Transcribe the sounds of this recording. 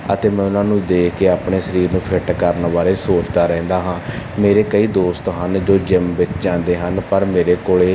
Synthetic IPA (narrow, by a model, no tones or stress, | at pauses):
ə̰t̪eːmɛ̃ːʊnãːnũːd̪eːkʰkeːaːpɳeːsəɾiːɾnũːpʰɪʈkəɾnbaːɾeːsoːt͡ʃd̪aːɾɛ̃ːnd̪aːɦãːmeːɾeːkəiːd̪oːst̪ɦənd͡ʒoːd͡ʒɪmʋɪt͡ʃd͡ʒãːnd̪eːɦənpəɾmeːɾeːkoːɭeː